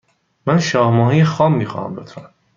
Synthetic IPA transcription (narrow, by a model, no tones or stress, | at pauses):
mænʃɒːhmɒːɦijexɒːmːiːxɒ̰ːhæ̰mbot̪ʰɾæm